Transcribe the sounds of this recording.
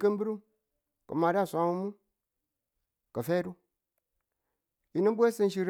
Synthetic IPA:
kə˦mbi˦ɾu˦m | kə̰˨ma˨ɾa˦˨sʷa˨˦mu˦mu˦ | ka˨fe˦du˦ | i˨nə˦n˦bʷe˦sɨ˦n˦ʃi˨ɾ

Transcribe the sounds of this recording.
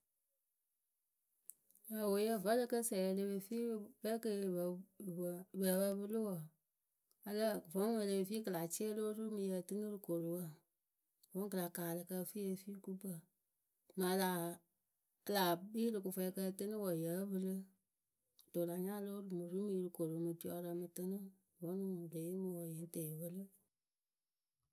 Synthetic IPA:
ja˨wo˨˦jə˦və˦lə˧kə˦sɛ˨jle˧be˧fi˦bɛ˦kə˧˨ | bə˨bə˧˦bɨ˧lɨ˦wə˨ | ə˧lə˦vo˨˦ŋ˦wə˨le˧be˨fiː˦kɨ˨la˨t͡ʃi˦e˦loː˦ɾu˦mɨ̃˧˨jə˧˨tɨ˦ŋɨ˦lɨ˨ko˨ɾo˨wə˨ | võ˨˦ŋ˦kɨ˨la˨kaː˨lɨ˨kə˧fi˦je˧fiː˦ku˦pə˨ | mã˨˦la˨˦ | la˨biː˦ɾɨ˨ku˧fɛ˧kə˧tɨ˦nɨ˦wə˨jə˨˦vɨ˧lɨ˦˨ | d̥o˨la˨ɲã˦loː˦ɾu˦mɨ˨ɾu˦mi˨˧ɾɨ˨ko˨ɾo˨˦mɨ˨ti˨˦ɔ˨˧˦ɾə˧mɨ˧tɨ˦nɨ̃˦ | vɔ˨˦nũ˦˨le˨˦ji˦mɨ˨wə˨jɛ˨n˦tɛ˨wə˧lɨ˦

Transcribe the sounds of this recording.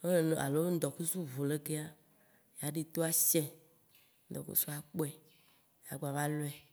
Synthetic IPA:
e˦˨a̰˨lo˦n̩˦d̪ɔ˨ku˦su˦vo˨le˦ke˦a˦ | ja˨ɖi˨t̪o˦a˦ʃɛ˦ | n̩˦d̪ɔ̰˨kṵ˦su˦a˨k͡po˦ɛ˨ | ja̰˨ɡ͡ba˨vã˦lo˦ɛ˨

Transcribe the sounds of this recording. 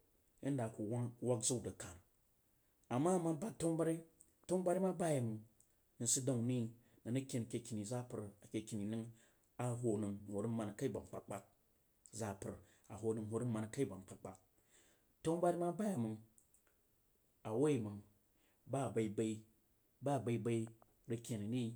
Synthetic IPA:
jḭ˦n˦da˨ku˨wa˦ŋ˦wa˦kzu˦˨da˨ka˨n˨ | a˨mːa˦˨ma˦ba˦to˦ŋba˦ɾi˦ | to˦ŋba˦ɾi˦ma˦ba˦ja˨mɨ˨ŋ | nɨ˨si˦da˨ŋ˨ni˦ | na˨nɨ˦kʲe˨n˨kʲe˨kʲi˨ni˨za˦pɨ˨ɾa˨kʲe˨kʲi˨ni˨nɨ˦ŋ | a˨ɦo˨nɨ˨ŋ˨ho˨ɾi˦ma˨n˨ka˦i˦ba˨ŋ˨k͡pa˨k͡pa˦k̚ | za˨pɨ̰˨ɾ | a˨ɦo˨nɨ˨ŋ˨ho˨˦ɾi˦ma˨n˨ka˦i˦ba˨mk͡pa˨k͡pa˨ | to˦ŋba˦ɾi˦ma˦ba˦ja˨mɨ˨ŋ | a˨wo˦i˨mɨ˨ŋ | ba˦˨ba˨i˦ba˨i˦ | ba˦˨ba˨i˦ba˦i˦ | ɾi˦kʲe˨ni˨ni˦

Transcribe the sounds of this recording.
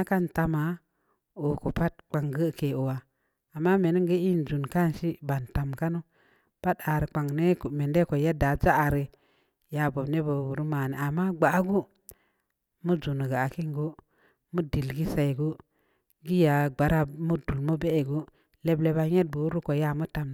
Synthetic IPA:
a˦ka˦nta˨ma˨˦ | o˨ko˨pa˦t̚k͡pa˨ŋɡə˦˨ke˨o˨wa˨ | a˨mːa˦me˨ni˦ŋɡə˦i˦n˨d͡ʒu˨nka˦˨n˨ʃi˦ba˨n˨ta˨mka˦nu˦ | pa˦da˨ɾi˨k͡pa˨ŋne˦kme˨nde˦ko˨ja˦da˨d͡ʒa˦a˨ɾi˨ | ja˨bo˨bne˦bo˨bu˨ɾu˦ma˨ne˨a˨mːa˦ɡ͡ba˨˦ɡu˦ | mu˦d͡ʒu˨n˨ɡa˨a˨ki˦ŋɡo˦ | mu˦di˨lɡi˦sa˨i˨ɡu˦ | ɡi˦ja˨ɡ͡ba˨ɾa˦mu˦du˨lmə˦be˦e˨ɡu˦ | le˨ble˨ba˨ɲe˦t̚bu˨˦ɾu˦ko˨ja˦mə˦ta˨m˨

